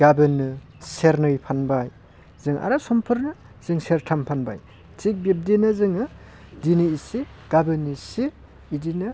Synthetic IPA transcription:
ɡabɯnɯ | seɾnɯjpʰanbaj | z̥ɯŋʔa̰ɾasɔmpʰɯɾnɯ | z̥ɯŋseɾtʰampʰanba̰j | tik̚bip̚dinɯzɯŋɯ | diniisi | ɡ̥abɯnisiː | dinɯ

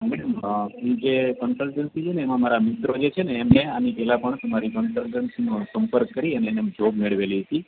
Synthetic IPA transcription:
mɛɽəmĩd͡ʒekənsəlʈənsit͡ʃʰeneːmãmaɾamɪt̪ɾod͡ʒet͡ʃʰeneːmneanipɛlapəɳt̪əmaɾikənsəlʈənsinosəmpəɾkːəɾiənened͡ʒʱobmeɭʋeliɦət̪i

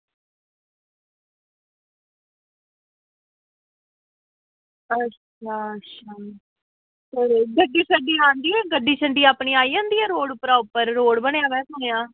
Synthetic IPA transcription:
ətːʃt͡ʃʰaːətːʃʰaː | teɾɡəɖːiːt͡ʃʰəɖiːãːnd̪iːɛːɡəɖːiːt͡ʃʰəɳɖiːaːpɳiːaːiːãːnd̪iːɛːɾoːɽpɾaːʊpːəɾːoːɽbəɳejãːʋɛːt̪oːnejãː

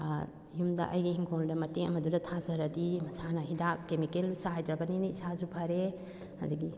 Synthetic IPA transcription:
jumdɐ̰ʔɐjɡihiŋkʰoldɐmɐteɐmɐdudɐtʰazɐɾɐdimɐsanɐɦidakkːemikelsaɦajdɾɐbɐniniisazupʰɐɾe | hɐdɐɡi

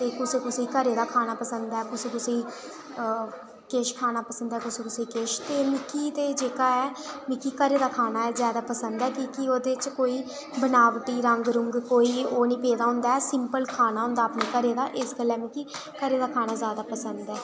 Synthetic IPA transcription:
t̪eːkʊsẽːkʊsĩːkəɾeːd̪aːkʰaːnaːpəsənd̪aɛːkʊsĩːkʊsĩː | keːʃkʰaːnaːpəsənd̪aɛːkʊsĩːkʊsiːkeːʃt̪eːmɪkiːt̪eːd͡ʒeːkaːɛːmɪkiːkəɾeːd̪aːkʰaːnaːɛːzjaːd̪aːpəsənd̪ɛːkiːkɪoːd̪eːt͡ʃkoːiː | bənaːʋʈiːɾəŋɡɾʊŋɡkoːiːoːnĩːpeːd̪aːɦʊ̃nd̪aːɛːsɪmpəlkʰaːnaːɦʊ̃ːnd̪aːpnãːkəɾeːd̪aːʔɪskəlːɛːmɪkiːkəɾeːd̪aːkʰaːnaːzjaːd̪aːpəsənd̪ɛː

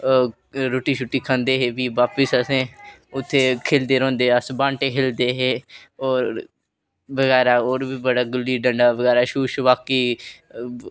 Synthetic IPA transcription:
ɾoːʈiːʃʊʈːiːkʰə̃nd̪eːɦeːʋiːʋaːpəsəsẽːʊt̪ʰːeːkʰeːld̪eːɾõːnd̪eːəsbãːɳʈeːɦʰeːld̪eːɦeː | oːɾ | ʋəɡɛːɾaːoːɾbiːbəɽaːɡʊliːɖəɳɖaːʋəɡɛːɾaːʃuːʃʋaːkiː

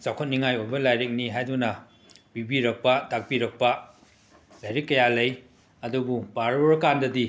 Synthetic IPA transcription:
sawkʰot̚niŋajojbɐlajɾik̚niɦajdunɐ | b̥ibiɾɐk̚pɐtak̚piɾɐk̚pɐ | lajɾikːɐjalɐj | ɐdububaɾoɾɐkandɐdi

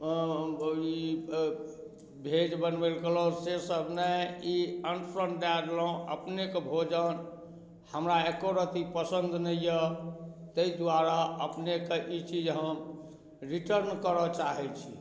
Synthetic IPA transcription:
i | bʱed͡ʒbənbelkelɔsesəbʱnəiənpʰɾəɳʈd̪ad̪lɔõə̰pnekebʱod͡ʒən | həmɾaekoɾət̪ipəsənd̪ʱnəjə | t̪əid̪waɾaəpnekeʔit͡ʃid͡ʒɦəm | ɾiʈəɾnkəɾɔt͡ʃaɦɛt͡ʃʰi

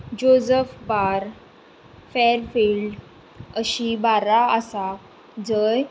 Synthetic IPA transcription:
d͡ʑod͡zəfbaɾ | feɾfilɖ | əɕibaɾaəsa | d͡zəj

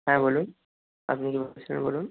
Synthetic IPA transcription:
ɦɛ̃bolun | a̰pnikibosʰilnbolun

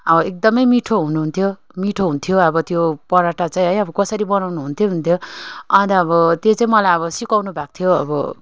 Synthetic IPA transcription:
ʌbʌek̚d̪ʌmʌjmiʈʰoɦunuɦunt̪ʰjo | miʈʰoɦunt̪ʰjoʌbʌt̪jopʌɾaʈat͡saĩɦʌjʌbʌkʌsʌɾibʌnawnuɦunt̪ʰjoɦunt̪ʰjoʌt̪aʌbʌt̪jet͡saĩmʌlajʌβʌsikawnubʱak̚t̪ʰjoʌ̰bʌ̰

